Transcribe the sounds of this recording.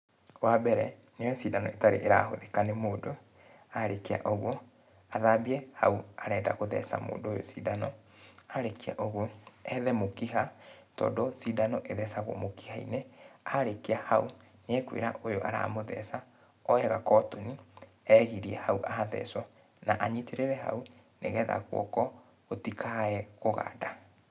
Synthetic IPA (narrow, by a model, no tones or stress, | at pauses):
wabɛɾɛneɔɔsidanɔetaɾḛʔeɾaɦo̰ðekanemoːdo | aɾekea̰ʔoɣwɔ | aðabiɛha̰uaɾɛːda̰ɣoðɛ̰sa̰mo̰ːndojo̰siːdanɔ | aɾekia̰ʔoɣoɛðɛmokiɦatɔ̰ːdosidanɔʔeðɛsaɣwɔ̰moki̥haḭneaɾekiahau | neɛkwḛɾaʔojoʔa̰ɾa̰moðɛ̰sa | ɔɛɣakɔtoni | ɛɣiɾiɛhauʔaðɛ̰sɔ | naʔaɲiteɾeɾɛɦa̰u | neɣɛːða̰ɣwɔ̰kɔ | otikʰaɛɣoɣa̰da